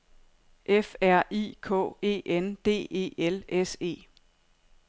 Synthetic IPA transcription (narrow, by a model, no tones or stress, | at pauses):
ʔefæɐ̰ʔḭːkʰɔ̰̽ːe̝̰ːʔend̥e̝̰ːe̝̰ːelese̝̰ː